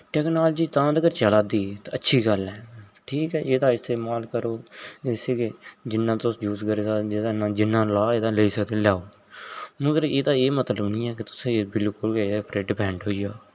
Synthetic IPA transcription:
ʈɛːknaːlːd͡ʒiːt̪ãːd̪əɡəɾt͡ʃəlaːd̪iːt̪aətːʃʰiːɡəlɛːʈʰiːkɛːʔeːd̪aːɪst̪ʰeːmaːlkəɾoːseːked͡ʒɪnːãːt̪ʊsd͡ʒuːskəɾeːd̪aːd͡ʒed̪aːnãːd͡ʒɪnːãːlaːeːd̪ãːləiːsəkd̪eːlaːoː | mʊt̪ɾəeːd̪aːeːmət̪ləbnĩːɛːkɪt̪ʊ̥sẽːbɪlkʊlkeːd̪eːpɾeːɖɪpʰɛ̃ːɳɖɦoːiːɡaː

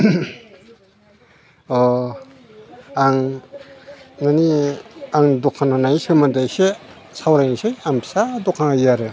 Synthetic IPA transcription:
ɔ | aŋ | naniaŋdɔkʰananajsɯmandajse | sawɾanisejampʰi̥sadɔkʰaŋajaɾɯ

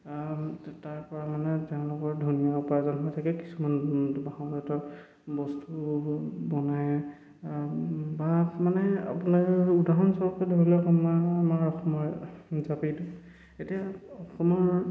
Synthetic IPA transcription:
taɹpɔɹamanɛtɛʊ̃lɔɡɔɹdʱunijaupazɔnɦɔjtʰakɛki̥sumanbaɦɔ̃ɡɔtɔ | bɔstubɔnaj | bamanɛa̰punaɹudaɦɔnsɔɹɔkɛdoɹilɔkamaːmaɹɔxɔmɔɹzapidɔ | etijaɔxɔmɔɹ

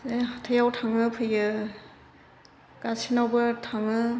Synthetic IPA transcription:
zeɦatʰɯjawtʰaŋɯpʰɯjɯ | ɡ̥asinawbɯtʰaŋɯ

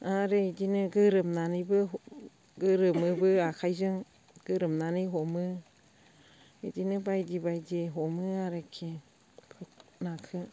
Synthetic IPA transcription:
aɾeidinɯɡɯɾɯmnanibɯ | ɡɯɾɯmɯbɯakʰajzɯŋ | ɡ̥ɯɾɯmnaniɦɔmɯ | idinɯbajdibajdiɦɔmɯaɾekʰe | kʰɯk̚nakʰɯ

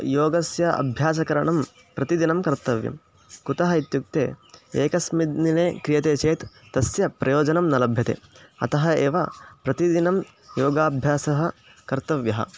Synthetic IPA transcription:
joːɡɐsjɐɐ̰bʱjaːs̬ɐkɐɾɐɳɐm | pɾɐt̪id̪inɐmkɐɾt̪ɐʋjɐ̰m | kut̪ɐɦɐit̪juk̚t̪eːeːkɐsmid̪nineːkɾijɐt̪eːt͡ʃeːt̪ːɐsjɐpɾɐjoːd͡ʒɐnɐmnɐlɐbʱjɐt̪ḛɐ̰t̪ɐɦɐeːʋɐpɾɐt̪id̪inɐm | joːɡaːbʱjaːsɐɦɐ | kɐɾt̪ɐʋjɐɦɐ̰

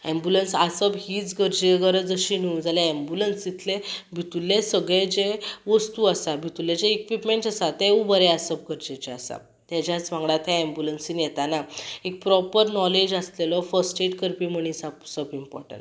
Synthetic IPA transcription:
ɛ̃mbjulənsasəbɦiːt͡sɡəɾd͡ʑeɡəɾəd͡zəɕiniund͡zʱaleɛmbjulənsit̪ʰlebʱit̪ulːesəɡɭed͡ʑeʋəst̪uəsabʱit̪ulːed͡ʑeekʋiʈmẽɳʈasat̪eũbəɾeasəb̚ɡəɾd͡ʑet͡ɕeasa̰ | t̪jat͡ɕjat͡sʋãŋɡɭat̪ʰjãɛ̃mbjulənsinjet̪anaek̚pɾɔpəɾnɔled͡ʑəslelɔfəɾsʈeʈkəɾpiməɽ̃isəpsəbimpɔ̰ɾʈə̰̃ɳʈ

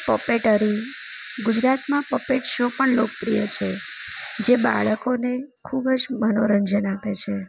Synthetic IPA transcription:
pəpeʈəɾiɡud͡ʒɾat̪mãpəpeʈʃopəɳlok̚pɾijət͡ʃʰe | d͡ʒeba̰ɭəkone | kʰubd͡ʒmənoɾənd͡ʒənapet͡ʃʰe

